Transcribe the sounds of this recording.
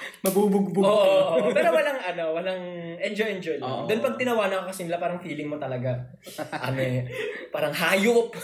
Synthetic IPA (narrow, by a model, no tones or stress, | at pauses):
mɐɡbubʊɡ̚bʊoʔʔopɛːɾowɐlaŋʔɐno̞wɐlaŋʔɛnd͡ʒojʔɛnd͡ʒojld̪ʊnpɐɡ̚t̪ɪnɐwaːnɐkokɐsɪnɪlapaːɾɐŋfiːlɪŋmot̪ɐlɐɡa | ʔɐmopaːɾɐŋɦaːjʊp̚